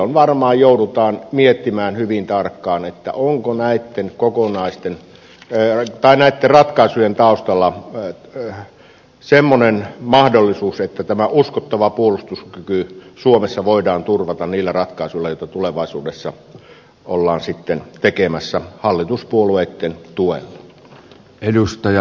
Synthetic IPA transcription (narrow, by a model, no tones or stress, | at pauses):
onʋɑrmɑːjjoudut̪ɑːnmiet̪ːimæːnhyʋint̪ɑrkːɑːnet̪ːæ̰ʔoŋkonæit̪ːeŋkokonɑist̪en | t̪ɑinæit̪ːerɑt̪kɑˑisujent̪ɑˑust̪ɑlːɑ | semːonenmɑhdolːisuːset̪ːæt̪æmæʔuskot̪ːɑʋɑpuolust̪uskykysuomesːɑʋoˑidɑːnt̪urʋɑt̪ɑnniːlːærɑt̪kɑˑisuilɑjoˑit̪ɑt̪uleʋɑˑisuːdesːɑ | ʔolːɑːnsit̪ːent̪ekemæsːæhɑlːit̪uspuolueˑit̪ːent̪uḛlːɑ | edust̪ɑjɑ